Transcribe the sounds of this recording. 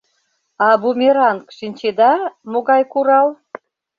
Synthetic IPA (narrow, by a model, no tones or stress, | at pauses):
ɑbumʲeɾɑnkʃinʲt͡ɕed̪ɑmoɣɑjkuɾɑl